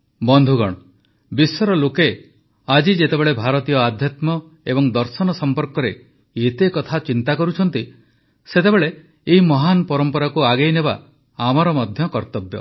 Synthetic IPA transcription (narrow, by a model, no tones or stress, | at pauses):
bɔnd̪ʱuɡɔ̰ɽ̃ɔ | bisɔɾɔloke | ad͡ʒid͡ʒet̪ebeɭebʱaɾɔt̪ijɔad̪ʱjat̪mɔ | ebɔŋd̪ɔɾsɔnɔsɔmpɔɾkɔɾe | et̪ekɔt̪ʰat͡ʃint̪akɔɾut͡ʃʰɔnt̪i | set̪ebeɭe | eɦimɔɦanpɔɾɔmpɔɾakuaɡejnebaː | maɾɔmɔd̪ʱjɔkɔɾt̪ɔbjɔ̰